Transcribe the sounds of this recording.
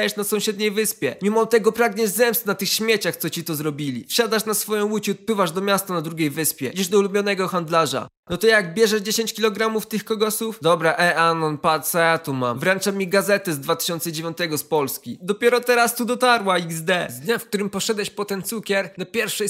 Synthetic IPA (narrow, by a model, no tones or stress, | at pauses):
ajɛʂnasɔ̃w̃ɕɛd̪ɲejvɘspʲjɛmʲimɔt̪ɛɡɔpɾaɡɲɛzɛmst̪nat̪ɘxɕmʲjet͡ɕaxt̪sɔt͡ɕit̪ɔzɾɔbʲilʲḭfɕad̪aʂnasfɔjɔ̃w̃wut͡ɕut̪̚pɘvaʐd̪ɔmʲjast̪anad̪ɾuɡʲejvɘspʲjɛiʐd̪ɔulubʲjɔnɛɡɔxand̪laʐa̰ | nɔt̪ɔjaɡbʲjɛʐɛʐd͡ʑeɕeɲt͡ɕkʲilɔɡɾamuft̪ɘxkɔɡɔsufd̪ɔbɾaʔɛanɔnpat̪sajat̪uma̰mvɾɛnt͡ʂamʲːiɡazɛt̪ɛzd̪vat̪ɪ̥ɕɔnt̪sɛd͡ʑevʲjɔ̃nt̪ɛɡɔspɔlskʲid̪ɔpʲjɛɾɔt̪ɛɾast̪ud̪ɔt̪aɾwaiɡzd̪ɛzd̪ɲafk̚t̪uɾɘmpɔʂɛd̪ɛɕpɔt̪ɛnt̪sukʲɛɾnapʲjɛɾfʂɛ